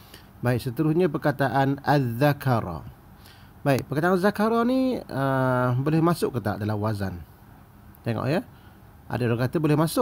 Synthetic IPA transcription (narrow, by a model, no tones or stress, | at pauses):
baɪʔsət̪əɾʊsɲap̬ərkat̪aʔanaðakʰaɾɔ̰ | baɪʔ̚pərkat̪aːnzakaɾɔniəbolɪhmasʊʔkːət̪a̰ʔdalahwaza̰n | t̪eŋɔ̰ʔjə | ʔa̰daɾaŋkat̪abolɛhmasʊʔ